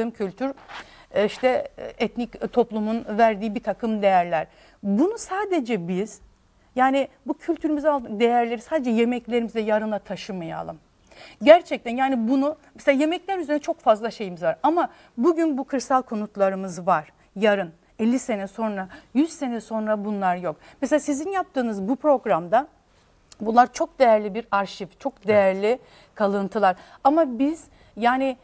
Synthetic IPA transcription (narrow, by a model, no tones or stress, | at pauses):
ɯːmcʰylʲt̪ʰyɾ | iʃt̪ʰɛɛt̪nict̪ʰo̞plˠumunvæɾd̪iːibit̪ʰakʰɯmd̪e̞jæɾlʲæɾ̥ | bunusaːd̪e̞d͡ʒɛbiz̥ | jaːnibucʰylʲt̪ʰyɾymizalˠd̪ɯd̪e̞jæɾlʲe̞ɾisaːd̪ed͡ʒɛjemɛclʲe̞ɾimizɛjaɾɯnˠat̪ʰaʃɯmaja̰lˠɯm | ɟæɾt͡ʃʰɛc̚t̪ænjaːnibunumɛseaːje̞mɛclʲæɾyzeɾnɛt͡ʃʰo̞kfazlˠaʃe̞jimizvaɾama | buɟynbukʰɯɾsalʲˠkʰo̞nut̪lˠaɾɯmɯzvaɾ̥ | jaɾɯn | ɛlʲːise̞nɛso̞nɾajyz̥se̞nɛso̞nɾabunlˠaɾjo̞kmɛselʲaːsizinjap̚t̪ʰɯːnɯzbupɾo̞ɡɾamd̪a | bunlˠaɾt͡ʃʰo̞k̚d̪e̞jæɾlʲibiɾaɾʃivt͡ʃʰo̞kd̪e̞jæɾlʲi | kʰalˠɯnt̪ʰɯlˠaɾamabiz̥ | jaːnɪ